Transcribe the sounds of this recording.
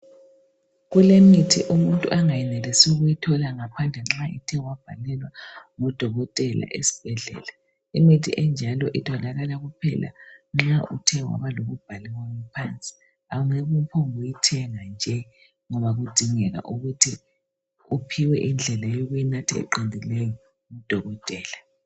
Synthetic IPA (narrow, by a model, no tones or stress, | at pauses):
ɣulemitʰiʔumuntʼuʔaŋajɛnelisiɣujitʰɔlaŋapʰand͡ɮʱɛŋ͡ǁaʔitʰɛwab̥ʱalɛlwaŋɔd̥ʱɔɣɔtʼɛla̰ʔesi̥b̥ʱɛɮɛ̰ːla | imitʰḭʔɛnd͡ʒʱalɔʔitʰɔlaɣalaɣupʰɛ̰la̰ŋ͡ǁaʔutʰɛwa̰βaloɣub̥ʱalɛwaŋupʰant͡sʼi̥ | auŋeβupʰɔŋujitʰɛŋand͡ʒʱɛ | ŋɔβaɣud̥ʱiŋɛɣa̰ʔuɣutʰi | upʰiwɛʔind͡ɮʱɛlajoɣujinatʰiɛ̰ǃindʱilɛjɔ | ŋud̥ʱɔɣɔtʼɛːla